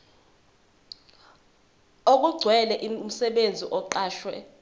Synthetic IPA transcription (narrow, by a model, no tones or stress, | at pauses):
ok̬ʼuɡ͡ǀʱwɛlɛʔim̩sɛɓend͡zʱiʔɔǃaːʃwɛ